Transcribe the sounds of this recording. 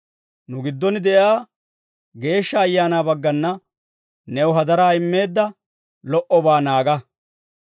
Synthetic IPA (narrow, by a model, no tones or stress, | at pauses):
nʊɡɪd̪ːɔnɪd̪ɛjaː | ɡe̞ːʃːɐːjːaːnaːbɐɡːɐnːɐ | nɛwɦɐd̪ɐɾaːɪmːe̞ːd̪ːɐ | lɔʔɔbaːnaːɡɐ